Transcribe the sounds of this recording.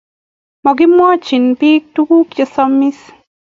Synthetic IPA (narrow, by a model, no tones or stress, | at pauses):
mɔk̬imwɑt͡ʃinpiːk̚tukukjɔsɔmis